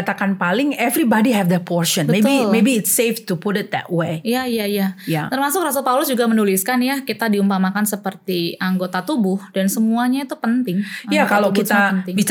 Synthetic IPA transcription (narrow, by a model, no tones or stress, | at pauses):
t̪akanpalɪŋɛvɾibadiɦɛfd̪əpʰɔɾʃɔnbəmet̪bimebiɪtseft̪upʊɾɪt̪̚d̪ɛ̰t̚weijaijajajat̪ərmasʊkrasəlpaulʊsd͡ʒuɡamənuliskanjakit̪adiumpamakansəpərt̪iaŋɡot̪at̪ubʊhd̥ansəmuaɲait̪upənt̪ɪŋjakalokitt̪aənɪŋbis